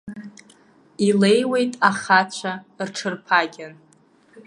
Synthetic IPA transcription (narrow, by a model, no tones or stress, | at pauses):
ile̞jwe̞jtʼaχat͡ɕʷʰarʈ͡ʂʰɨrpʰaɡʲan